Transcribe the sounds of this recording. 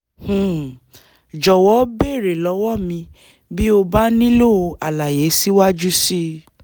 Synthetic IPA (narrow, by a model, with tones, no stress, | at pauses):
h̩˨ | d͡ʒɔ˨wɔ˨˦be˦˨ɾe˨lɔ˨˦wɔ˦˨mĩ˧ | bi˦o˧ba˦nĩ˦lo˦˨o˧a˨la˨je˨˦si˦wa˦d͡ʒu˦si˦